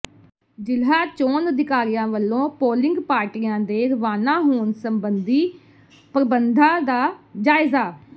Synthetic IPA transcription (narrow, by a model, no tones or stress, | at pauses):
d͡ʒɪlɦaːt͡ʃoːnəd̪ɪkaːɾɪjãːʋəlːõːpoːlɪ̃ŋɡpaːɾʈiːãːd̪eːɾʋaːnãːɦoːnsəmbənd̪iː | pəɾəbənd̪ʱãːd̪aːd͡ʒaːɪzaː